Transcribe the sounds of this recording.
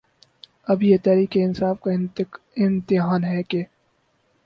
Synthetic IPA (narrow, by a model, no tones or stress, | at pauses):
ɐbjet̪ɛːɾiːkeɪnsaːfka | ɪnt̪ɪɦaːnɦɛke